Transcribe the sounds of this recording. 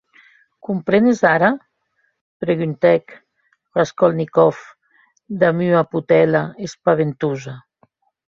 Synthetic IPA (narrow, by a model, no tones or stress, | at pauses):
kumpɾenezaɾa | pɾeɣynt̪ɛk | baskɔlnikɔf | d̪amyaput̪ɛlaespaβent̪uza